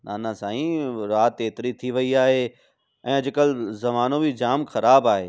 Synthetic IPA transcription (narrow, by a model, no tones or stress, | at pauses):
naːnasaːĩɾaːt̪eːt̪ɪɾit̪ʰiʋɐiaːɦe | ɛ̃ːɐd͡ʑʊ̆kəlzɐmaːnobid͡ʑaːmxɐɾaːbaːɦeː